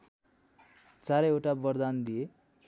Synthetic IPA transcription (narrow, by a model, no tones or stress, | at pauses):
t͡saɾʌewʈabʌrd̪and̪ije